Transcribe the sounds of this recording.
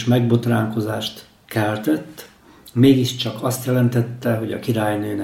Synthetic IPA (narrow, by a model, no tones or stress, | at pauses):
ʃmɛɡ̚bo̞t̪raːŋko̞zaːʃt̪ | kɛlt̪ɛt̪ː | meːɡiʃt͡ʃɒkɒst̪jɛlɛnt̪ɛt̪ːɛɦo̞ɟɒ̰kiɾaːjnøːnɛ